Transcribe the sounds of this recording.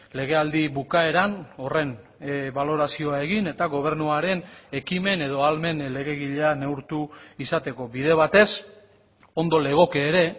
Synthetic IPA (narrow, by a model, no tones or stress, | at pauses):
le̞ɣ̞e̞ald̪iβukaeɾano̞re̞nβalo̞ɾasio̞ae̞ɣine̞t̪aɣo̞β̞e̞ɾnuaɾe̞ne̞kime̞ne̞ðo̞alme̞nle̞ɣ̞e̞ɣiʎeane̞wɾt̪uisat̪e̞ko̞βiðe̞β̞at̪e̞s | o̞nd̪o̞le̞ɣ̞o̞ke̞ːɾe̞